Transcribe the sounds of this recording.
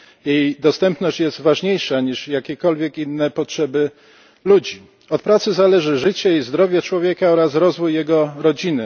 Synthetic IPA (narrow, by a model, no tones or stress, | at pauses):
jejd̪ɔst̪ɛmpnɔɕt͡ɕjɛzt̪vaʐɲejʂaɲiʂjakʲɛkɔlvʲjɛkinːɛpɔtʂɛbɘ | lud͡ʑi | ɔt̪̚pɾat̪sɘzalɛʐɘʐɘt͡ɕɛizd̪ɾɔvʲjɛt͡ʂwɔvʲjɛkaɔɾasɾɔzvujːɛɡɔɾɔd͡ʑinɘ